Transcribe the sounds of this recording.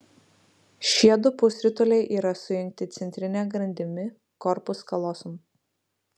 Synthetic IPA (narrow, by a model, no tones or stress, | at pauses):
ʃʲiɛd̪ʊpʊsʲɾʲɪt̪ɔlʲɛɪʔiːɾɐsʊjɪ̃ŋʲk̚t̪ʲɪt̪sʲɛnʲt̪ʲɾʲɪnʲɛɡɾɐnʲd̪ʲɪmʲɪ | kɔɾpʊskɐlˠɔsʊm